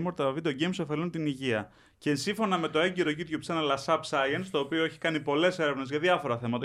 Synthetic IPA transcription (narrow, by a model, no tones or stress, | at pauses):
mo̞ɾt̪ɐɐvit̪oɟejmso̞fe̞lunt̪iniʝiɐ | ceːnsiɱfo̞nɐme̞t̪o̞eɲɟeɾo̞ʝit̪ʝopsenɐlɐsɐpsɐjɐnst̪o̞ːpioe̞çi̥kɐnipo̞le̞se̞ɾe̞vnezʝɐðjɐfo̞ɾɐθe̞mɐt̪ɐ